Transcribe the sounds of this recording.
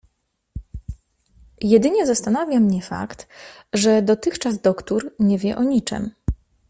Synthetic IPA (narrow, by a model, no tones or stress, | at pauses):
jɛd̪ɘɲɛzast̪anavʲjamɲɛfa̰kt̪ | ʐɛd̪ɔt̪ɘxt͡ʂazd̪ɔkt̪uɾɲɛvʲjɛʔɔɲit͡ʂɛ̰m